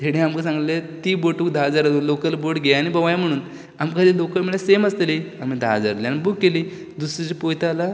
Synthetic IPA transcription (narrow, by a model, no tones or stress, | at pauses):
t̪ʰeɽẽamkəsãŋɡlet̪iːboʈuːkd̪ʱad͡zaɾulokəlboʈɡʱejanibəʋajam̤əɽ̃uːn | amkad̪ilokəɾmiɭaseməst̪liamid̪ʱa̰d͡za̰ɾliañibukːeliː | d̪usɾid͡ʑipojt̪ala